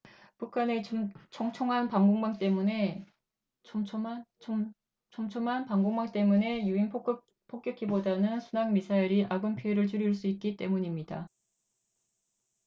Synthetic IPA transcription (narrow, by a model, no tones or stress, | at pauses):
pukʰane̞t͡ɕʰoŋt͡ɕʰoŋɦanpaŋɡoŋmaŋt͈e̞mune̞ | t͡ɕʰt͡ɕʰoa | t͡ɕʰoŋt͡ɕʰoŋɦanpaŋɡoŋmaŋt͈e̞mune̞juin | pʰok͈jʌkʰibodanɯnsʰunaŋmisʰaiɾiʔaɡɯmpʰjoeɾɯɭt͡ɕuɾiɭs͈uit̚k͈it͈e̞muɲimɲida